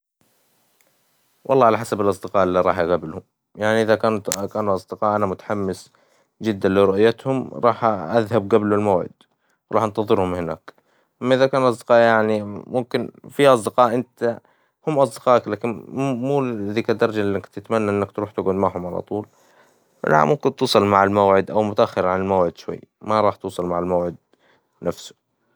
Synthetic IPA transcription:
wʔɑ̰lˤːɑːʕalaħasabɪlʔɑsˤd̪ɪqɑːʔɪlːiːɾˤɑːħʔaɣablhʊm | jaʕniʔɪðakaːnukaːnuʔɑsˤd̪ɪqɑːʔanamʊt̪ḁħamːɪs | d͡ʒɪd̪ːanliɾʊʔjat̪hʊmɾˤɑːħʔaðhab̚ɡablulmawʕɪ̰d̪̥ | wɾˤɑːħʔɑnt̪ɑðˤɨɾhʊmhɪna̰ːk | ʔamːaʔɪðakaːnʔɑsˤd̪ɪ̥qɑːʔjaʕnimʊmkɪnfiːʔɑsˤd̪ɪqɑːʔɪnt̪a | hʊmːʔɑsˤd̪ɪqɑːʔklaːkɪnmuːɪðiːkad̪ːɑɾˤɑd͡ʒaakt̪ɪt̪manːaʔɪnːakt̪ɾuːħt̪ɪɡʕʊd̪maʕhʊmʕalɑ̰t̪ˤuːl̰ | la̰mʔʊmkɪnt̪uːsˤɑlmaʕalmawʕɪd̪ʔawmʊt̪aʔaxːɪɾʕanɪlmawʕɪd̪ʃwa̰jːmaɾˤɑːħt̪uːsˤɑlmaʕalmawʕɪd̪̚ | nafsʊ̥

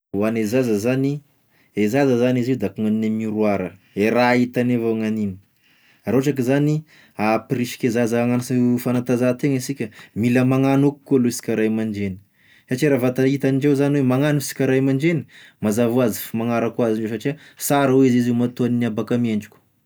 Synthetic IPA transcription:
wanezazəzani | ezazəzaniziwd̪akuŋaninemiɾuaɾə | eɾait̪anevaŋanini̥ | aɾoaʈ͡ʂak̬izani | apriʃi̥kʲezazaŋanfanat̪azat̪eŋisikʲəmiləmaŋanuku̥kːualusi̥kʲaɾajmaɳd͡ʒeni̥ | saʈ͡ʂiɾavat̪ait̪aniɳɖ͡ʐewzaniwemaŋanisi̥kʲaɾajmaɳd͡ʒeni̥mazavuazi̥fimaŋaɾəkuaziɳɖ͡ʐes̬aʈ͡ʂiəsaɾaweiziziumat̪oaniniabakameɳɖ͡ʐu̥kʲu̥

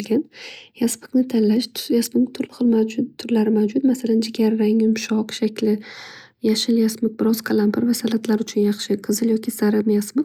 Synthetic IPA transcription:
lɡʲanjaspɨ̥knɪt̪ʰanlaʃjasmɪkt̪ʰʊlˠχɨlˠmaʊt̪ʰːʊɾlaɾɪmawd͡ʒʊt̪masaland͡ʒɪɡʲaɾɪɾaŋɪmʃɒqʃakʲlɪ | jaʃɪljasmɪk̚bɪɾɒz̥kʰalˠampʰɪɾvasalat̪ʰlaɾʊt͡ʃʰʊnjɑχʃɪqʰɨzɨljɒkʲisaɾamjasmɪk

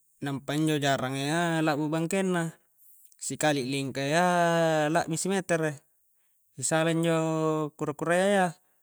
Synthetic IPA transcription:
nampaiɲd͡ʒod͡ʒaɾaŋealabubaŋkenːa | sikaliʔliŋkaealaʔbisimet̪ɛre | isalaiɲd͡ʒokuɾakuɾajaja

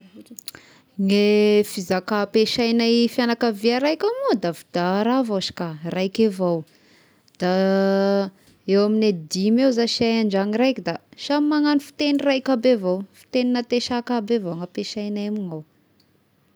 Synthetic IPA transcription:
ŋefizakapeʃajnajfjanakaviaɾajkʲamod̪avid̪aɾavaʃi̥karajkevaw | d̪̥a | ewamined̪imewzaʃaaɳd͡ʒaŋirajkʲid̪aʃamimaŋanifi̥t̪enirajkʲabevawfi̥t̪eninat̪eʃakabevowŋapeʃajnemiŋaw

